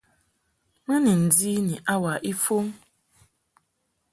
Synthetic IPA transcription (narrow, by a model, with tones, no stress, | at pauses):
ma˦ni˨n̩˨di˦ni˨ʔa˦wa˨ʔi˦fo˦ŋ˦